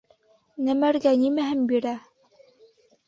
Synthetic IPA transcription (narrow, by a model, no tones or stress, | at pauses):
næmæɾɡænimæɦɘnbiɾæ